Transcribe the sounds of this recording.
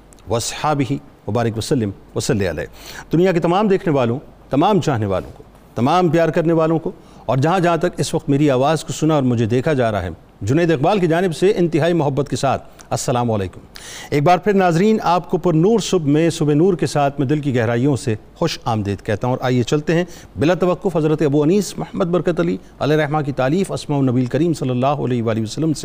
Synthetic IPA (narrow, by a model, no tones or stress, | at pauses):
ʋɐɐsħaːbɪɦi | ʋɐbaːɾɪkʋɐsɐlːɪm | ʋɐsɐlːeɐ̰lḛːd̪ʊnijak̬et̪ɐmaːmd̪eːkʰneʋaːlõt̪ɐmaːmt͡ʃaːɦneʋa̰ːlõ̰ko̥ | t̪ɐmaːmpjaːɾkɐɾneʋaːlõko | ɔːɾd͡ʒɐɦãd͡ʒɐɦãt̪ɐkɪsʋɐqt̪meːɾiaːʋaːzkosʊnaɔːɾmʊd͡ʒʱed̪eːkʰad͡ʒaːɾa̰ɦɛ̰ | d͡ʒʊneːd̪ɪq̚baːlk̬id͡ʒaːnɪbseʔɪ̃nt̪ɪɦaːimʊɦɐbːət̪̚kesaːt̪̚ʰ | ɐsːɐlaːmʊɐlḛːkʊmeːk̚baːɾpʰɪɾnaːzɾiːnaːpkopʊɾnuːɾsʊbmẽsʊbenuːɾkesaːt̪ʰmɛ̃d̪ɪlk̬iɡɛɦɾaːijõsexʊʃaːmd̪eːd̪̚kɛɦt̪aɦũɔːɾʔa̰ːjet͡ʃɐlt̪eɦɛ̃ | bɪlat̪ɐʋɐqːʊfɦɐzɾət̪eɐbuɐniːsmʊhəmːəd̪̚bɐɾkət̪ɐli | ɐ̰leɾɛɦmak̬it̪aːliːfɐsmaonɐbielkɐɾiːmsɐlːɐlːaːɦoɐ̰lɛːɦeʋaːliiʋɐsɐlːəmse